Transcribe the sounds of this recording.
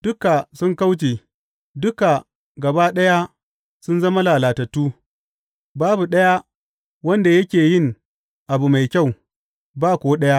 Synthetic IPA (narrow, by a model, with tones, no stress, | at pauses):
d̥ʊ˦ka˨sʊ˦ŋka˦wt͡ʃeː˨ | dʊ˦ka˨ | ɡɐ˨ba˦ɗɐ˦ja˦ | sʊ˦nzɐ˦ma˦laː˨laː˨tɐ˨tːuː˦ | baː˦bu˨ɗɐ˦ja˦ | wɐ˦nda˨jɐ˦kʲeː˨jɪ˦˨ŋ | ʔa˨bu˨ma˨jkʲa˦˨w | baː˦kʷoː˨˦ɗɐ˦ja˦ʔ